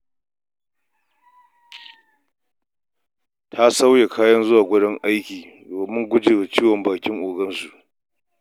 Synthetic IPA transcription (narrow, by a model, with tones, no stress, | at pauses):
tʰa˦sa˦wja˨kʰaː˦jɐ˦nzʊ˦waː˨ɡʷʊ˦dɔ˦ŋʔa˦jkʲiː˨ | doː˨e˨mʊ˦ŋɡʷʊ˦d͡ʒeː˨wa˨t͡ʃiː˦wɔ˨mbaː˨kʲɪ˦ŋʔʊː˨ɡɐ˦nsu˨ʔ